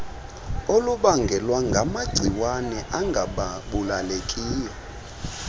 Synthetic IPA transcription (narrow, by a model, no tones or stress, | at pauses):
oluɓaŋɡʱɛlwaŋɡʱamaɡ͡ǀʱiwanɛʔaŋɡʱaɓaɓulalekʼiːjɔ